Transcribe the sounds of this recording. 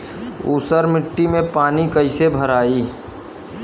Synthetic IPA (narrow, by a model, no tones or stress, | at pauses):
ṵːsəɾmɪʈːimẽpaːnikəɪsebʱəɾaːiː